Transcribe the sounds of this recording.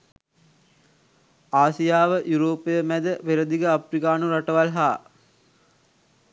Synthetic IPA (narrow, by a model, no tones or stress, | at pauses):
aːsijaːʋəʔjuɾoːpːejəmæd̪əʋeɾəd̪iɡəaprikaːnuɾaʈəʋalɦaː